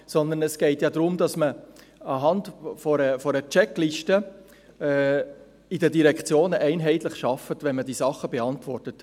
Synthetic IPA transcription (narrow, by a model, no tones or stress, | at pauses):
sɔnd̪ənɛsɡ̥ɛɪtjɑdɾʊmd̥ɑsmə | ɑɦɑndfɔɾəfɔɾət͡ʃɛkliʃtə | ɛ | idədiɾɛkʰt͡sjoːnʔɛɪnɦɛɪtlɪχʃɑfətʋɛnməd̥iːsɑχəbeɑntʋɔrtət